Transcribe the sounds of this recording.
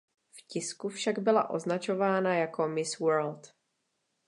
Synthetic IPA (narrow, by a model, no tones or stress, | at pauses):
fcɪskufʃaɡbɪla̰ʔo̞̰znat͡ʃo̞vaːnajako̞mɪswɛɾlt̪